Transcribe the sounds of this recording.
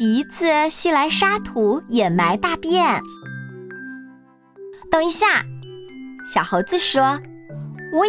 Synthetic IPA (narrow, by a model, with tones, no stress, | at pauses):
pi˧˥t͡sɹ̩˥˩ɕi˥la˧˥ɪʂa˥t̪ʰu˧˥jɛ˨˩ma˧˥ɪt̪a˥˧pjɛ˥˩n | t̪ɤ˥˩ŋi˧˥ɕja˥˩ | ɕjɑ˨˩ʊxɤ˧˥ʊt͡sɹ̩˥˩ʂwɔ˥ | wɔ˨˧˥